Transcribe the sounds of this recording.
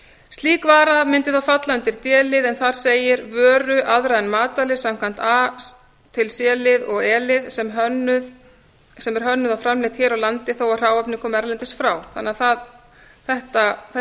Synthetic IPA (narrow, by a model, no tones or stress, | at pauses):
st̪liːkvaːɾamɪnt̪ɪθawfat̪laʏnt̪ɪɾ̥t̪jɛːlɪðɛnθaɾ̥seːjɪɾvœːɾʏʔaðɾaɛnmaːt̪alɪsam̥kʰvan̥t̪a | t̪ʰɪlsjɛːlɪðɔɣɛːlɪðsɛmɦœnʏð | sɛmɛɾ̥ɦœnːʏðawfɾamlɪht̪çɛːɾawlant̪ɪθowawr̥aːwɛpnɪŋkɔmɛɾlɛnt̪ɪst̪fɾaːwθanːaðθað | θɛht̪aθɛ